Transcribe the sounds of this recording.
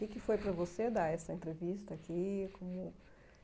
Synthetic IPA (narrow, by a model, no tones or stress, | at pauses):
kɪkɪfojpɾɐvosed̪aɾɛsɐẽnt̪ɾevist̪ɐːkikõmʊ